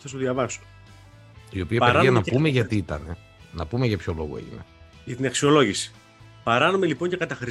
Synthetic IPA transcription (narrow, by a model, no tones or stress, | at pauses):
θɐsoðʝɐvɐso̥ | io̞piɐeiɐnɐpume̞ʝɐt̪iit̪ɐ̰ne̞ | nɐpume̞ʝɐpço̞lo̞̰ɣe̞̰ʝḭne̞̰ʝɐt̪inɐksio̞lo̞ʝisi̥ | pɐɾɐnomelipo̞ɲce̞kɐt̪ɐxɾi